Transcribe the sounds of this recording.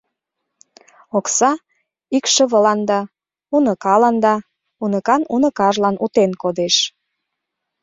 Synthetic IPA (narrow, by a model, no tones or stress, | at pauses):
oksɑ | ikʃəβəlɑnd̪ɑ | unəkɑlɑnd̪ɑ | unəkɑnunə̆kɑʒlɑnʔut̪enkod̪eʃ